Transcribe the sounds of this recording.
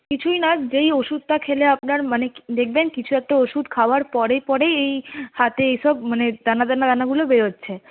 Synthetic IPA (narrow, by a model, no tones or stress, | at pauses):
kit͡ɕʰujnad͡ʑejoʃud̪̚t̪akʰeleapnaɾmaned̪ek̚ʰbenkit͡ɕʰuɛk̚ʈaoʃud̪kʰaoaɾpɔɾepɔɾejejhat̪eejʃɔbmaned̪anad̪anad̪anaɡulobeɾotːɕʰe